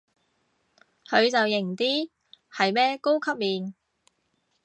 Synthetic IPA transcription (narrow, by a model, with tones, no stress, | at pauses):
hʰɵ˨˧ɥt͡sɐ˨wjɪ˨˩ŋt̪iː˥ | hɐ˨jmɛː˥ko˥wkʰɐ˥p̚miː˨˧n